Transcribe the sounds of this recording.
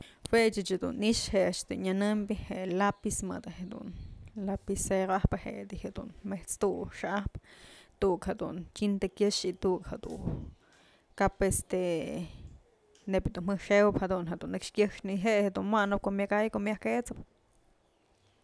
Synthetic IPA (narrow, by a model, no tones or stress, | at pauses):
wet͡ʃɨt͡ʃed̪ṵniʂheʔt͡ʃt̪ɨ̰ɲanɨmbiheʔlapismɨ̰d̪aɦed̪ṵnlapiseɾahpɨhḛʔd̪ihed̪ṵnmeht͡st̪uʂaʔahpt̪ukhed̪ṵnt͡ʃʲint̪ekjəʃit̪ukhed̪ṵ | kapest̪e | nepd̪unmɨʂewphed̪unɦed̪unːɨkʂkjəʂniɦeʔhed̪unmwanɨp̚koʔmjakajkoʔmjahket͡sɨp̚